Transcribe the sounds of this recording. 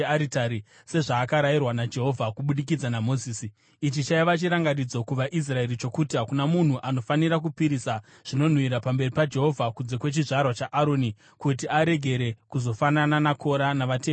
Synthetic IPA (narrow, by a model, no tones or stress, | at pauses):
aɾitaɾi | se̞ʐaːkaɾairwanad͡ʒe̞ɦo̞vʱakuɓuɗik̬id͡zanamo̞ziːsi | it͡ʃit͡ʃaiʋat͡ʃiɾaŋɡanid͡zo̞kuʋaʔis̬rae̞ɾit͡ʃo̞kuːtiɦakunamun̤uʔano̞faniɾakupiɾisa | ʐ̥ino̞n̤wiɾapambe̞ripad͡ʒe̞ɦo̞vʱakund͡ze̞kwe̞t͡ʃiʐarwat͡ʃaʔaɾo̞ni | kut̬iaɾe̞ɡʱe̞ɾe̞kuzo̞fanananakʰo̞ɾanaʋateː